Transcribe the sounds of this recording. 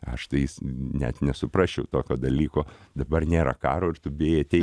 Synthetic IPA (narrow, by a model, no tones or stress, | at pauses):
ɐ̰ʃt̪ɐɪjɪsnʲɛ̰t̪nʲɛsʊpɾɑːʃʲt͡ʃʲɛʊt̪oːkʲoːd̪ɐlʲiːkoːd̪ɐbɐrnʲeːɾɐ̰kɑːɾoːɪɾt̪ʊbʲeːjɛt̪ʲɛɪ